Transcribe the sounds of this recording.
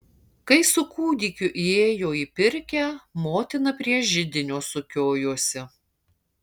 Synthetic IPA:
kɐɪsʊkuːd̪ʲiːkʲʊʔieːjoːiːpʲɪɾʲkʲɛmoːt̪ʲɪnɐpʲɾʲiɛʒʲɪd̪ʲɪnʲoːsʊkʲoːjuɔsʲɪ

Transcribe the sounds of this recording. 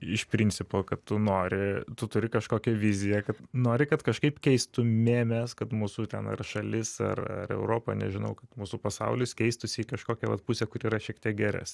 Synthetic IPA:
ɪʃpʲɾʲɪnʲt͡sʲɪpoːkɐttːʊnoːɾʲɪt̪ʊt̪ʊɾʲɪkɐʃkoːkʲɛʋʲɪzʲɪjɛkɐt̪noːɾʲɪkɐt̪kɐʃkɐɪpkʲɛɪst̪ʊmʲeːmʲɛskɐt̪muːsuːt̪ʲɛnɐ̰rʃɐlʲɪsɐ̰rɐ̰rɛ̰ʊɾoːpɐ̰nʲɛ̰ʒʲɪnɐʊkɐt̪muːsuːpɐsɐ̰ʊlʲɪskʲɛɪst̪ʊsʲɪikɐʃkoːkʲɛʋɐ̰t̪pusʲɛkʊɾʲiːɾɐʃʲiɛkt̪ʲiɛk̚ɡʲæɾʲɛ̰s

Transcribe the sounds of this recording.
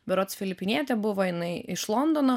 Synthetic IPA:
bʲɛɾot̪sfʲɪlʲɪpʲɪnʲiɛt̪ʲɛbʊʋɔjɪnɐɪʔɪʃlˠɔnd̪ɔnoː

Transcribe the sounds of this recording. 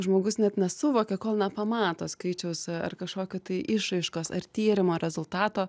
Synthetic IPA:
ʒmoːɡʊsnʲɛt̪nʲɛsʊʋoːkʲɛkoːlˠnʲɛpɐmɑːt̪oːskɐɪt͡ʃʲɛʊsɐ̰rkɐʃkoːkʲot̪ɐɪʔɪʃɾɐɪʃkoːsɐ̰rt̪ʲiːɾʲɪmoːɾʲɛzʊlˠt̪ɑːt̪oː

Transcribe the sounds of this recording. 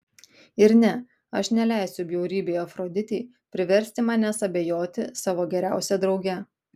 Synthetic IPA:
ɪɾnʲɛ | ɐʃnʲɛlʲæˑɪsʲʊbʲjɛʊɾʲiːbʲeːjɐfɾoːd̪ʲɪt̪ʲɛɪ | pʲɾʲɪʋʲɛɾʲsʲt̪ʲɪmɑːnʲɛsɐbʲejoːt̪ʲɪsɑːʋoːɡʲɛɾʲæˑʊsʲɛd̪ɾɒʊɡʲɛ

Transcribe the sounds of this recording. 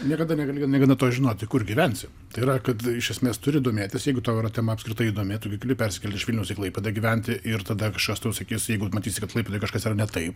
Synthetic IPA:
nʲiɛkɐd̪ɐnʲɛɡɐlʲɪnʲɛɡɐnɐt̪oːʒʲɪnoːt̪ʲɪkʊrɡʲiʋʲɛnʲsʲɪ | t̪ɐɪiɾɐkɐt̪ɪʃʲɛsʲmʲeːst̪ʊɾʲɪːd̪oːmʲeːt̪ʲɪsjɛɪɡʊt̪oːʊiɾɐt̪ʲɛmɐɐpskɾɪt̪ɐɪiːd̪oːmʲɪt̪oːkʲɪkʲɪlʲɪpʲɛɾʲsʲɪ̥kʲɛlʲt̪ʲɪʃʋʲɪlʲnʲɛʊsʲɪklˠɐɪpʲeːd̪ɐɡʲiʋʲɛnʲt̪ʲɪʔɪrt̪ɐd̪ɐkɐʃkɐst̪ɐʊsɐkʲiːsjɛɪɡʊmɐtʲiːsʲɪkɐt̪lˠɐɪpʲeːt̪ojkɐʃkɐsiːrɐnʲɛt̪ɐɪp

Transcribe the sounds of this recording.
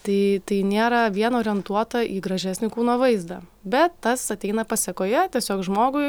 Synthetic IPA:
t̪ɐɪt̪ɐɪnʲeːɾɐʋʲiɛnoːɾʲɪɛnt̪uɔt̪ɐʔiːɡɾɐʒʲæsʲnʲɪkuːnoʋɐɪzd̪ɐ̰ | bʲɛt̪ːɐsɐt̪ʲɛɪnɐpɐsʲɛkoːjɛt̪ʲiɛsʲoːkʒmoːɡʊɪ

